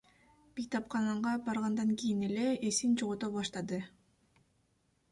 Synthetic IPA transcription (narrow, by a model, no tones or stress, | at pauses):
b̥it̪ʰɑpqɑnɑɴʁɑbɑɾʁɑnd̪ɑŋkijine̞le̞ːsint͡ʃoʁot̪opbɑʃt̪ɑd̪ɯ